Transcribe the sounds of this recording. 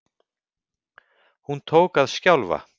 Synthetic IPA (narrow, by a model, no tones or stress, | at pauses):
hunt̪ʰoːwkaðscawlva̰